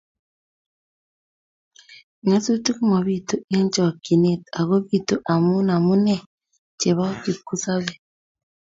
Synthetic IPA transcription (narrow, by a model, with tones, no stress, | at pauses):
ɲa˦su˦tu˦kmo˨βi˦˨to˦ʔe˦n˦t͡ʃɔ˨ki˨ne˦˨ta˨ɣo˦βi˦˨to˦ʔa˨mu˦na˨mu˦nɛ˦˨ | t͡ʃe˨βa˦ki˨ku˦sa˦βɛ˦˨